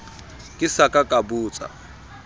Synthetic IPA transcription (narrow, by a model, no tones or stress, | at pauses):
kʼɪsakʼakʼabuːt͡sʼa̰